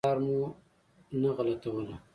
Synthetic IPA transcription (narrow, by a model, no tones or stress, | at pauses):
ɑːɾmu | naɣalat̪awəla